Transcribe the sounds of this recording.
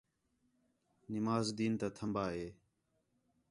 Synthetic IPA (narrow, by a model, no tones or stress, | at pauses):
nɪmaːzd̪iːnt̪aːt̪ʰəmbaːɦeː